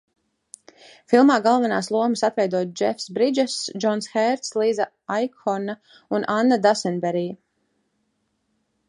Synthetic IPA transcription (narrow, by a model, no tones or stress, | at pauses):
filˠmaːɡalˠvanaːslˠuɔmɨsat̪vɛjd̪uɔt̪d͡ʒɛfsbɾid͡ʒɛsd͡ʒɔnsxɛɾt̪slˠiːza | ajkɔna | unʔanːad̪asɛnbɛɾiː